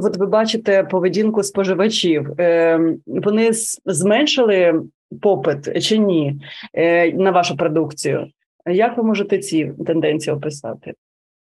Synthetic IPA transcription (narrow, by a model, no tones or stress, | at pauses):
ʋɔt̪ʋɪbɑt͡ʃɪt̪ɛpɔʋedʲinkʊspɔʒɪʋɐt͡ʃʲiw | ʋɔnɪzmɛnʲʃɪlˠɪ | pɔpɪt̪t͡ʃɪnʲi | nɐʋɑʃʊpɾɔd̪ukt͡sʲijʊ̰ | jɐkʋɪmɔʒet̪ɛt͡sʲit̪end̪ɛnʲt͡sʲijɔpɪsɑ̰t̪ɪ